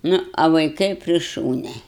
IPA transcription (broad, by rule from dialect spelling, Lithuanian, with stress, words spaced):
ˈnʊ ɐ ʋɐɪˈkɐɪ pʲrʲɪ ˈʃuːnʲɛ